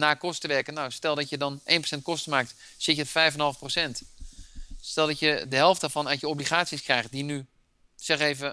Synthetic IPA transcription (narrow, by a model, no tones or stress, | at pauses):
naːkɔstəʋɛɹkənːawstɛlˠdɑtjədɑnʔejnprosɛnt̚kɔstəmaːk̚t | sɪtjəfɛjfənɦɑlˠfprosɛnt | stɛlˠdɑtjədəɦɛlˠftdaɹvɑnajəɔbliχaːtsiskrɛjχtdiny | sɛχejvə